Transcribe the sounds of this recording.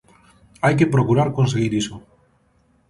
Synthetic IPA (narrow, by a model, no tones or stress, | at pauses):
ajkepɾokuɾaɾkõns̬eɣ̞iɾiso